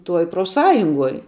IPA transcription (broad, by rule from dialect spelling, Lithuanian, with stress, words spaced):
ˈtuɔj proːfˈsɑːjʊŋɡuɔj